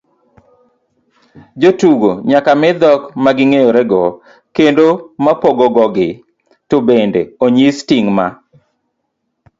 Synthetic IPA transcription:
d͡ʒotuɡoɲakamɛd̪ɔkmaɡɪŋejoɾɛɡɔ | kendomapoɡɔɡɔɡɪ | tobendeoɲistiŋma

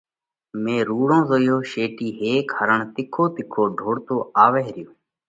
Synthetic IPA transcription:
mẽːɾuːɽõːzoːjoːʃeːʈiːɦeːkəɾəɳt̪ɪkʰoːt̪ɪkʰoːɖʱoːɽt̪oːaːʋeːɾɪjoː

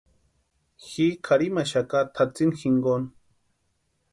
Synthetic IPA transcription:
xikʰaɾimaʃakat̪ʰat͡sinxiŋɡon

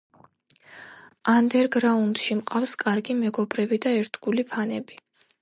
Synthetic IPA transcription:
and̪ɛɾɡɾaund̪ʃimqʼafskʼaɾɡimɛɡɔbɾɛbid̪aɛɾt̪ʰɡulipʰanɛbi

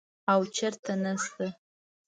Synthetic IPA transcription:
awt͡ʃʰɐrtʰɐnɐsɨ

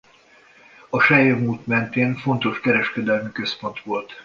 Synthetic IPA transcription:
ɒʃɛjomuːt̪mɛnt̪eːnfo̞nt̪o̞ʃkɛɾɛʃkɛd̪ɛlmikø̞spo̞nt̪ʋo̞lt̪

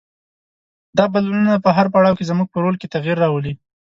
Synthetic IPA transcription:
d̪ɑbalununapəɦaɾp̬aɽɑwkezmuɡ̚pəɾolket̪aɣiɾːɑwəli

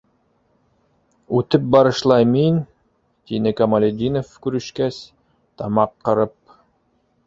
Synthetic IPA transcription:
ʉt̪ɘp̚bɑɾɤ̆ʃlˠɑjmin | t̪inɘkɑmalʲed̪ʲinofkʉɾɘ̆ʃkæs | t̪ɑmɑqːɤ̆ɾɤp̚

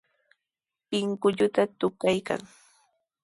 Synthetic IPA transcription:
pɪŋkʊʎʊt̪at̪ʊkajka̰ŋ

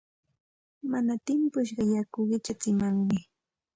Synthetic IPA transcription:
manat̪ɪmpʊʃ̬ɢɑjakʊɢɪt͡ʃat͡sɪmaŋmɪ

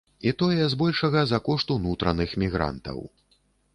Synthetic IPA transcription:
it̪ɔjɛzbɔlʲʂɐɣɐzɐkɔʂt̪unut̪ɾɐnɨxmʲiɣɾa̰nt̪ɐ̰w

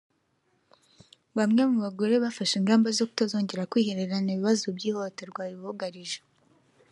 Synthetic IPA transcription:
βamŋe̞muβaɡo̞ɾe̞βafaʃiŋɡaːmbazo̞ku̥tazo̞ːɲɟe̞ɾakwiːhe̞ɾe̞ɾaniβiβazubɟiːho̞teɾɡwaːjiββuɡaɾiʒe̥

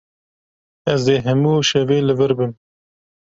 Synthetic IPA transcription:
ɛzeːɦɛmuːʃɛveːlɨvɨɾbɨm

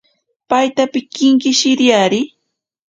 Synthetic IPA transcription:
pajt̪apɪkɪŋkɪʃɪɾjaɾɪ

